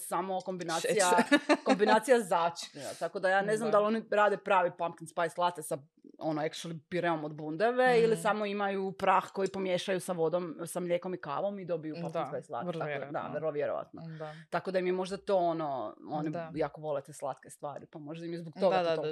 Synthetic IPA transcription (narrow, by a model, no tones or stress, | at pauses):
samoko̞mbinaːt̪ijakombinaːt̪ijazaːt͡ʃi̥kelt̪akod̪ajaːneznamd̪alo̞niɾaːd̪epɾaːʋipamkinspajslˠat̪esa | onoeksʃlipiɾeomod̪bund̪eʋeilisamoimajupɾaːxko̞jipo̞mjeʃajusaʋo̞d̪omsamlʲeko̞mika̰ːʋo̞mid̪o̞bijupamknspajslˠa̰t̪ad̪a̰ʋrlˠoʋjeɾo̰ʋa̰t̪not̪akod̪ajimjemo̞ʒd̪at̪oːonoonijaːkoʋo̞let̪eslˠa̰t̪kest̪ʋa̰ːɾipamo̞ʒd̪aimjezbokt̪o̞ɡa